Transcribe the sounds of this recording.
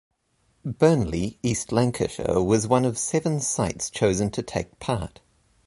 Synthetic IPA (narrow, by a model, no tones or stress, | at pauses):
b̥ɜ˞nliistˡlæ̃ŋkʰɨ̰ʃə̰wʌzwʌ̃nʌv̥sɛvə̃nsaɪtst͡ʃʰəʊzə̃ntʰɨtʰeɪk̚pʰɑˑɹt